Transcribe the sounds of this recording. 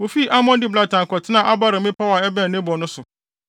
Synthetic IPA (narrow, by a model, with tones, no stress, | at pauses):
wo˨fi˦ʔa˦mɔ̃˦n˦dɪ˦bla˨tã˨ŋ˨kɔ˨tʰɪ˦nã˨ʔa˦ba˦ɾɪ̃˨mɪ̃˦pʰa˦wa˨ɛ˦bɛ̃˦˨nɪ̃˦bɔ˨nʊ̃˦sʊ˨